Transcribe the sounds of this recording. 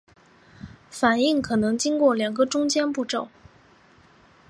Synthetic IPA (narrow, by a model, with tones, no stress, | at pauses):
fa˨˩ni˥˩ŋkʰɤ˨˩nɤ˧˥ŋt͡ɕi˥ŋkwɔ˥˩ljɑ˨˩ŋɡə˦ʈ͡ʂʊ˥ŋt͡ɕjɛ˥npu˥˧ʈ͡ʂo˥˩ʊ